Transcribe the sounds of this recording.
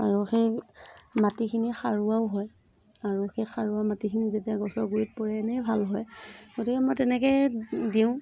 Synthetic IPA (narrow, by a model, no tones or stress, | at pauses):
a̰ɹuxej | matikʰinixaɹuaʊɦɔj | aɹuxejxaɹuwamatikʰinizetiaɡɔsɔɡuit̚pɔɹɛnɛjbʱalɦɔjɡotikɛmɔjtɛnɛkɛdiʊ̃